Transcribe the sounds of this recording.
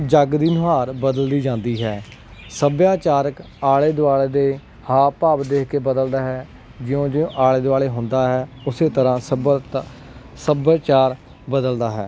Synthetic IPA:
d͡ʒəɡd̪iːnʊɦaːɾbəd̪əld̪iːd͡ʒãːnd̪iːɦɛːsəbjaːt͡ʃaːɾək | aːɭeːd̪ʊaːɭeːd̪eː | haːpaːbd̪eːkʰkeːbəd̪əld̪aːɦɛː | d͡ʒɪjõːd͡ʒɪõːʔaːɭeːd̪ʊaːɭeːɦʊ̃nd̪aːɦɛːʊseːt̪əɾãːsəb | səbːt͡ʃaːɾ | bəd̪əld̪aːɦɛː

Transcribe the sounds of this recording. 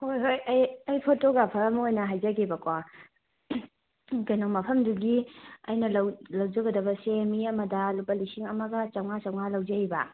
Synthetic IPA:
hojɦojɐjɐjpʰotoɡapʰɐɾɐmɐojnɐɦajd͡ʒɐɡebɐkwa | kɐjnoŋmɐpʰɐmduɡiɐjnɐlɐwlɐwd͡ʒɐɡɐdɐbɐsemiɐmɐdɐlupɐlisiŋɐmɐɡɐt͡ʃawŋat͡ʃɐwŋalɐwd͡ʒɐjbɐ̰

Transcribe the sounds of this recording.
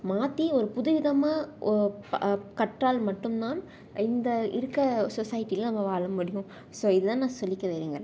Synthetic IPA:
maːt̪ːiɔɾɯpʊðʊʋɪðɐmaː | kɐʈraːlmɐʈːɯmt̪aːn | ɪnd̪ɐɪ̰ɾɯkːɐsɔsɐːjɪʈːijɪlɐnɐmːɐʋaːɭɐmʊɽɪjʊ̃ | soːɪðɯt̪ãːnãːsɔlːɪkːɐʋeːɾeːŋɡɐ

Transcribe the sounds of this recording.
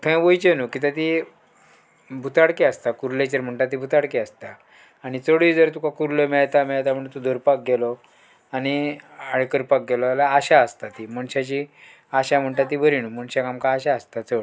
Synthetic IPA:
t̪ʰə̃jʋojt͡ɕenukit̪at̪̬i | bʱut̪ʰaɽkiast̪akuɾlet͡ɕəɾm̤əɳʈat̪ːibʱut̪ʰaɽkiast̪aː | ɽ̃it͡səɽid͡zəɾt̪ukakuɾlemɛɭt̪amɛɭt̪apəɳt̪ud̪ʱəɾpak̚ɡɛlɔ | añiaɽkəɾpak̚ɡɛlɔalaːɕaəst̪at̪iməɳɕat͡ɕi | aɕam̤əɳʈ̪at̪̬ːibʱəɾinuməɳɕakamkaːɕaəst̪at͡səɽ

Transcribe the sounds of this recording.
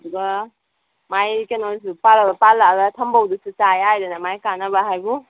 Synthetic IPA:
duɡa | majkenɔls̬upalaɡɐpalːaɡɐtʰɐmbawdususajajdanamajkanabaɦajbu

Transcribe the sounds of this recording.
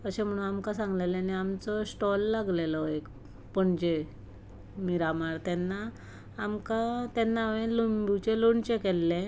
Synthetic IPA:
kəɕẽm̤əɽ̃unamkasãŋɡlelaniamt͡sɔsʈɔlːaɡlelɔek | pəɳd͡ʑe | miɾamaɾt̪ɛnːaː | mkat̪ɛnːaʋẽlumbut͡ɕeloɳt͡ɕekɛlːẽ

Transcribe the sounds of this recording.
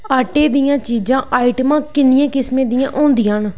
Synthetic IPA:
aːʈeːd̪ɪjãːt͡ʃiːd͡ʒãːʔaːiʈəmãːkɪnɪjãːkɪsmẽːd̪ɪjãːʔõːnd̪ɪjãːn

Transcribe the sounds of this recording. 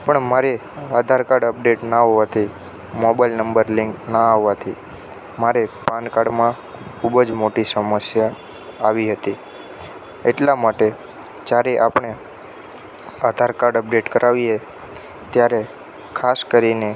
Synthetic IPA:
pəɳmaɾe | ad̪ʱaɾkaɾɖəp̚ɖeʈnaɦoʋat̪ʰi | mɔbajlnəmbəɾlɪŋknaaɦʋat̪ʰi | maɾepãnkaɾɖmã | kʰubəd͡ʒmoʈisəməsjaː | ʋiɦət̪i | eʈlamaʈe | d͡ʒjaɾeʔapɳ̃e | ad̪ʱaɾkaɾɖəp̚ɖeʈkəɾʔaʋie | t̪jaɾe | kʰaskəɾine

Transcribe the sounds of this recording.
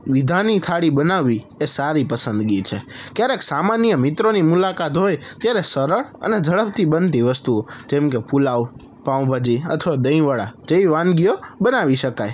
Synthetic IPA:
ʋid̪ʱanit̪ʰaɽibənaʋːi | esaɾipəsə̃nd̪ɡit͡ʃʰekjaɾeksamanjəmɪt̪ɾonimulakat̪ɦojt̪jaɾesəɾəɭə̰ned͡ʒʱəɭəp̚t̪ibənt̪iʋəst̪ud͡ʒẽmkepulaw | pãw̃bʱad͡ʒiə̰t̪ʰʋad̪əĩʋəɭa̰d͡ʒeiʋãnɡijobənaʋiʃəkaj

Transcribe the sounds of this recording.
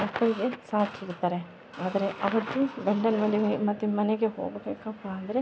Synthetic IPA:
opːɐɭiɡesaːt̪ʰiɾut̪ːaːɾe | aːd̪ɐɾe̞ʔɐʋɐt̪ːubɐɳɖɐnɐʋɐlimɐt̪ːimɐneɡeɦo̰ːɡbeːkɐpːaːɐnd̪ɐɾe

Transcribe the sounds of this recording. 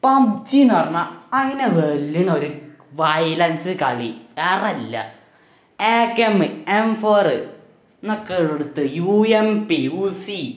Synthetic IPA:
pɐmbt͡ɕinɐrnːaɐŋːɐneʋelːiɳoɾu | ʋɐjlɐnsɨkɐɭḭerɐlːɐ̰ | eːkːemɨemforɨ | nokːeɻeɽut̪ːɨjuempiusi

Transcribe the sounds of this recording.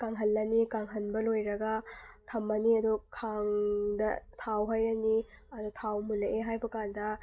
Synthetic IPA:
kaŋɦɐlːɐnikaŋɦɐnbɐlojɾɐɡɐtʰɐmːɐniɐdukʰaŋdɐtʰawɦajɾɐni | ɐdutʰawmulɐʔeɦajbɐkandɐ

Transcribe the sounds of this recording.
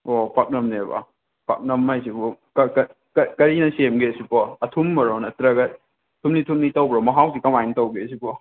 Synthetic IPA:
opʰak̚nɐmnebɐ̰ | pʰak̚nɐmːajs̬ipɔkɐkɐ | kɐkɐɾinɐsemɡesipɔɐtʰumːɐɾonɐtɾɐɡɐt̚ | tʰumnitʰumnitɐwbɾɔmɐɦawdikɐmajntɐwɡesipɔ

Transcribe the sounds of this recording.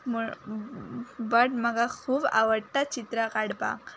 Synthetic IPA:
mu | bəʈm̤əɡakʰuːba̰ʋəɽʈ̪at͡ɕit̪ɾakaɽpa̰k

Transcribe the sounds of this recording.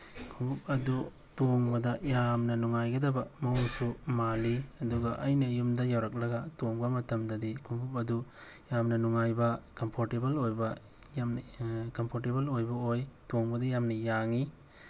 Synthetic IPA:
kʰuŋbup̚ɐdu | toŋbɐdɐjamnɐnuŋajɡɐdɐbɐmɐuŋsumaliɐduɡɐʔɐjnɐjumdɐjawɾɐk̬̚lɐɡɐtoŋbɐmɐtʰɐmdɐdikʰuŋbup̚ɐdu | jamnɐnuŋajbɐkɐmpʰoɾtebɐlojbɐ | jamnkɐmpʰoɾtebɐlojbɐojtoŋbɐdɐjamnɐjaŋi

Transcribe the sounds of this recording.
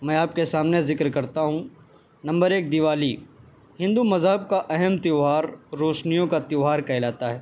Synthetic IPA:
mɛ̃ːaːp̚kesaːmnezɪkɾkɐɾt̪aɦũ | nɐ̃mbəɾeːk̚d̪ɪʋaːli | hɪ̃nd̪umɐzɦəb̚kaʔɛɦɛmt̪ɪɦaːɾːoːʃnijõkat̪jːɦaːɾkɐɪlaːt̪aɦɛː

